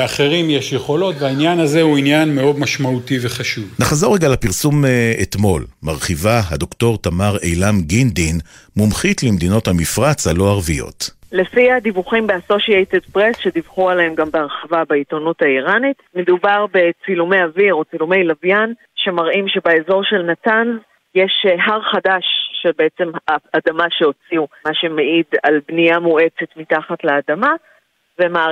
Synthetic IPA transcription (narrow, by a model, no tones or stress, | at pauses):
aχeʁimjeʃjeχo̞lo̞t̪veainjanazehuinjanmeo̞d̪maʃmautiveχaʃuvnaχazoʁeɡalapiʁsumet̪mo̞lmaʁχivaɦad̪o̞kto̞ʁt̪amaʁejlamɡind̪inmumχitlemd̪ino̞thamifʁat͡shalo̞aʁvijo̞̰t̪le̞fiad̪ivuχimbeaso̞ʃiejt̪ed̪pʁesʃe̞divχualahemɡambeaʁχavabait̪onutaiʁanitme̞dubaʁbe̞t͡silumejaviʁo̞t͡silumejlavjan | ʃe̞maʁʔimʃe̞baezo̞ʁʃe̞lnatanz | jeʃɦaʁχadaʃːebe̞et͡se̞maadamaʃeo̞t͡siumaʃe̞meʔidalbniamue̞t͡se̞tmitaχatlaːdama | vema